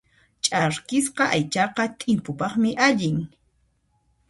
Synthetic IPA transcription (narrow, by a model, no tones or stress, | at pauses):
t͡ʃʼaɾkɪsqɑʔajt͡ʃɑqɑt̪ʼɪmpʊpɑχmɪʔaʎɪŋ